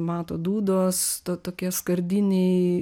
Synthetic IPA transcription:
mɑːt̪oːd̪uːd̪oːst̪oːt̪oːkʲiɛskɐɾʲd̪ʲinʲɛɪ

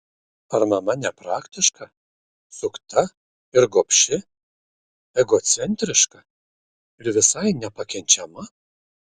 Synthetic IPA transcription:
ɐɾmɐmɐnʲɛpɾɑːkt̪ʲɪʃkɐ | sʊkt̪ɐ | ɪɾɡopʲʃʲɪ | ɛɡoːt̪sʲɛnʲt̪ʲɾʲɪʃkɐ | ɪɾʋʲɪsɐɪnʲɛpɐkʲɛnʲt͡ʃʲɛmɐ

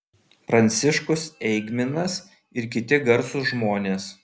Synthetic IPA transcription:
pɾɐnʲt̪sʲɪʃkʊsɛɪɡmʲɪnɐs | ɪɾk̬ʲɪt̪ʲɪɡɐɾsʊʒmoːnʲeːs

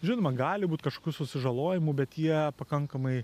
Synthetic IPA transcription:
ʒʲɪnomɐɡɑːlʲɪbuːt̪kɐʃkoːkʲuːsʊsʲɪʒɐlˠoːjɪmʊbʲɛt̪jiɛpɐkɐŋkɐmɐɪ

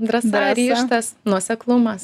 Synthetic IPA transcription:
d̪ɾɐsɑːɾʲiːʃt̪ɐsnuɔsʲɛklˠʊmɐs

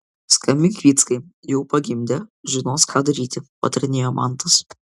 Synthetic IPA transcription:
skɐmʲɪŋʲkʲʋʲiːt̪skɐɪjɛʊpɐɡʲɪmʲd̪ʲɛʒʲɪnoːskʰɑːd̪ɐɾʲiːt̪ʲɪpɐ̰t̪ɐɾʲɪnʲeːjoːmʔɑ̰nt̪ɐs

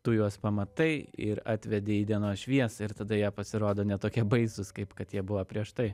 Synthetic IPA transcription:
t̪ʊjuɔspɐmɐt̪ɐɪɪɾɑ̰ːt̪ʲʋʲɛd̪ʲɪiːd̪ʲiɛnoːʃʲʋʲiɛsɪɾt̪ɐd̪ɐjiɛpɐsʲɪɾoːd̪oːnʲɛt̪oːkʲiɛbɐɪsʊskɐɪpkɐt̪jiɛbʊʋɐpʲɾʲiɛʃt̪ɐɪ

